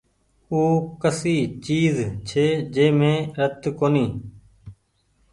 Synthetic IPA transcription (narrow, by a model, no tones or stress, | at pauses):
uːkəsiːt͡ʃiːzt͡ʃʰeːd͡ʒeːmẽːɾət̪koːniː